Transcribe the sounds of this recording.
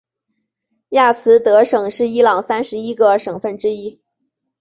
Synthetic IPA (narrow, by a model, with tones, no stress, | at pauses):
ja˥˩sʰɹ̩˧˥t̪ɤ˧˥ʂɤ˨˩ŋʂɻ̩˥˩i˥lɑ˨˩ŋsa˥nʂɻ̩˧˥i˥ɡə˧ʂɤ˨˩ŋfə˥˩nʈ͡ʂɻ̩˥i˥